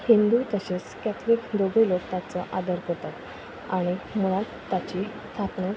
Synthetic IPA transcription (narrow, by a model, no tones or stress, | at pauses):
hind̪ujt̪əɕeskæt̪ʰɾiːkd̪oɡelokt̪at͡səʔad̪əɾkət̪at̪ | aɽ̃im̤əɽ̃a | t̪ːat͡ɕi | t̪ʰapɳə